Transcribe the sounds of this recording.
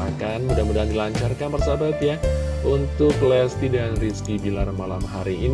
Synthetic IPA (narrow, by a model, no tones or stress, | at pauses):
akanmudamudandilaɲt͡ʃarkanpərsabat̪jaunt̪ʊklɛst̪idanriskibila̰rmalamɦaɾiʔːn